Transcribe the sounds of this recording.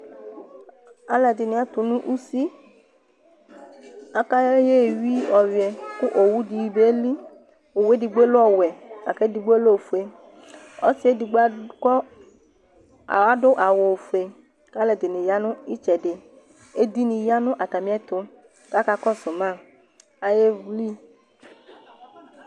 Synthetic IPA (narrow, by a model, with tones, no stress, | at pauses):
a˨lɛ˨d̪i˨nĩ˨ɛ˨˦t̪ʊ˨nũ˦ʔu˦si˦ | a˦ka˦jje˦˨wi˦ɔ˨wi˨ɛ˨ku˦ʔo˨wu˦di˨˧ji˧be˦li˦ | o˨we˦di˧ɡ͡be˦lo˦ɔ˦˨wɛ˨a˨kɛ˨˦di˧ɡ͡blo˦o˨fu˨e˧ | ɔ̰˦si˨˦e˦di˨ɡ͡ba˦kɔ˦ | a̰˨wa˦ɖʊ˦ʔa˨wo˨fu˨e˨ | ka˦lɛ˨d̪e˨nĩ˨ja˦nʊ̃˦i˦t͡ʃɛ˨ɖe˨ | e˦d̪i˦nĩ˨ja˦nʊ̃˦ʔa˨t̪a˨mĩ˨˦ɛ˦t̪ʊ˨ | ka˦ka˦kɔ˦sʊ̃˨mã˦˨ | a˨je˦vli˦